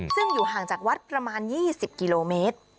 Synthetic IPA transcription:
sɯ˥˩ŋjuː˨˩ɦaː˨˩ŋt͡ɕaː˨˩k̚wa˦˥t̪̚pɾa˧maː˧njiː˥˩si˨˩p̚ki˧loː˧meː˦˥t̪̚

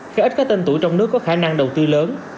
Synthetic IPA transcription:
xaː˧˩ʔi˦˥t̚kaː˨˦˥kt̪e˧nt̪u˧˩jt͡ɕɔ˧wŋ͡mnɨ˦˥əkːɔ˨˦kxaː˧˩na˧ŋɗə˨˩wt̪ɨ˧ləː˨˦n

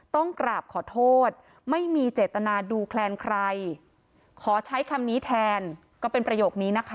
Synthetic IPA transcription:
t̪ɔ˥˩ŋkɾaː˨˩p̚kʰɔː˨˩˦t̪ʰoː˥˩t̪̚ | ma˥˩jmiː˧t͡ɕeː˨˩t̪ːa˧naː˧duː˧kʰlɛː˧nkʰɾa˧j | kʰɔː˩˦t͡ɕʰa˦˥jkʰa˧mniː˦˥t̪ʰɛː˧n | kɔː˥˩pe˧npɾa˧joː˨˩k̚niː˦˥na˦˥kʰa˦˥

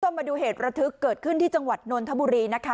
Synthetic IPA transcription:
o˧maː˧duː˧ɦeː˨˩t̪̚ɾa˧t̪ʰɯ˦˥kːɤː˨˩t̪̚kʰɯ˥˩nt̪iː˥˩t͡ɕa˧ŋwa˨˩t̪̚noː˧nt̪ʰa˦˥buː˧ɾiː˧na˦˥kʰa˦˥

